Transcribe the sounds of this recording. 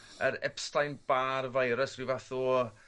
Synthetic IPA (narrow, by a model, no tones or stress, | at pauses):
əɾɛ̰pstajnb̥aːrvajɾəsvivaθu